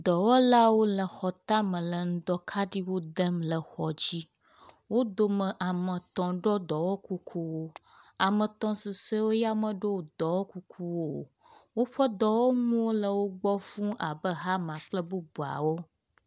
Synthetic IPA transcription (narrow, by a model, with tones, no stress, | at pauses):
d̪ɔ˨wɔ˦la˦wo˦lə˨xɔ˨t̪ã˦mə̃˨lə˨ŋ̩˦d̪ɔ˦kʰa˦ɖi˦wo˦d̪ə˦mlə˨xɔ˨d͡ʑi˦ | wo˦d̪o˦mə̃˨ʔa˨mə̃˨t̪ɔ̃˨ɖɔ˦d̪ɔ˨wɔ˦ku˦kʰu˦wo˦ | a˨mə̃˨t̪ɔ̃˨su˨sə˦wo˦ja˦mə̃˨ɖo˦wd̪ɔ˨wɔ˦ku˦kʰu˦wo˦ | wo˦ɸə˦d̪ɔ˨wɔ˦ŋũ˦wo˦lə˨wo˦ɡ͡bɔ˦fũ˦ʔa˨bə˦ɦa˦mã˨k͡plə˦bu˦bu˨a̰˨wo˦